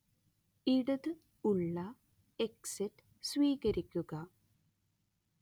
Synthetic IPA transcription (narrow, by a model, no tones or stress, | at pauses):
iɽɐðɨ | uɭːɐ | eksetː | sʋiːɣɐɾikʲːuɣɐ